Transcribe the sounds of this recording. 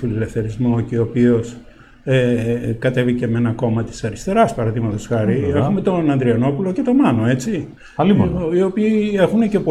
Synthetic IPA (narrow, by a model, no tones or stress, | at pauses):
fililefθe̞ɾizmo̞ceopio̞s | ekɐt̪e̞vice̞menɐko̞mɐt̪i̥sɐɾist̪e̞ɾɐspɐɾɐðimɐt̪o̞sxɐɾiexume̞t̪o̞nɐnd̪ɾiɐno̞pulo̞ce̞t̪o̞mɐno̞e̞t͡si | ɐliio̞piːe̞xune̞ce̞po